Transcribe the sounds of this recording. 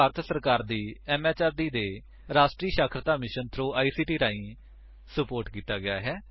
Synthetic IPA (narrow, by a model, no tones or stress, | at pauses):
aːɾət̪ʰsəɾkaːɾd̪iːɛːmɛːt͡ʃaːɾɖ̪iːd̪eː | ɾaːsʈɾiːʃaːkʰɾət̪aːmɪʃənt̪ʰɾoːʔaːiːsiːʈiːɾaːĩː | səpoːɾʈkiːt̪aːɡɪjaːɦɛː